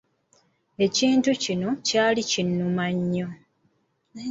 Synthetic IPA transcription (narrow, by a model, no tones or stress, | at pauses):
e̞ciːntucino̞caːlicinːumaɲːo̞